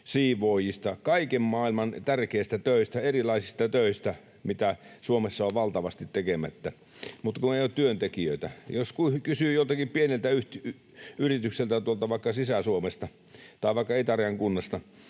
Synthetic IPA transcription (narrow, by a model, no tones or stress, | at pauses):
siːʋoːjist̪ɑkɑikemmɑːilmɑnt̪ærkeist̪æt̪øˑist̪æerilɑisist̪ɑt̪øˑist̪æ | mit̪æsuomesːɑoʋʋɑlt̪ɑʋɑst̪it̪tekemæt̪ːæ | mut̪kuneˑijoːtt̪yønt̪ekiøit̪æjoskukysyːjot̪ɑkippienelt̪æyht̪y | yrit̪ykselt̪æt̪uolt̪ɑʋɑˑikːɑsisæsuomest̪ɑ | t̪ɑˑiʋɑˑikːɑet̪ɑrjɑŋkunːɑst̪ɑ